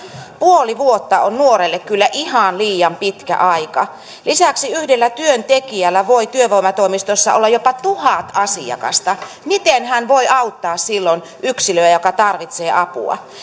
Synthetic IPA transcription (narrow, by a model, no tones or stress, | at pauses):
puoliʋuot̪ːɑonnuoɾelːekkylːæʔihɑnliːjɑmpit̪kæ̰ʔɑikɑ̰ | lisæksiyhdelːæt̪yønt̪ekiælːæʋoit̪yøʋoimɑt̪oimist̪osːɑ̰o̰lːɑjopɑt̪uhɑt̪ɑsiɑ̰kɑ̰st̪ɑ | mit̪enhænʋoiʔɑut̪ːɑːssilːon | ʔyksiløæjokɑt̪ɑrʋit̪seːʔɑpṵɑ̰